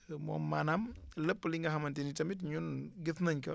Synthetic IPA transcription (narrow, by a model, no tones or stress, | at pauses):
mɔ̰mːanɐmləpːliŋɡɐɦɐmɐntinitɐmitɲunɡiθnɐɲkɐ